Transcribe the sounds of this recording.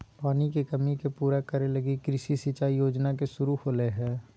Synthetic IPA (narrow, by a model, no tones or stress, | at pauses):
paːnikekɐmikepuːɾakəɾelɐɡikɾɪʃisit͡ʃaːijoːd͡ʒnak̬esʊɾuhoːleɦɛ̃ː